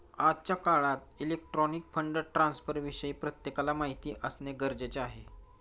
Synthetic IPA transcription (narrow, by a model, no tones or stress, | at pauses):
adt͡ɕjakaɭat̪ilek̚ʈɾɔnik̚fəɳɖəɾʈɾãnsfəɾʋiɕəiːpɾət̪jekalamaɦit̪iːʔəsneɡəɾd͡ʑet͡ɕeaɦe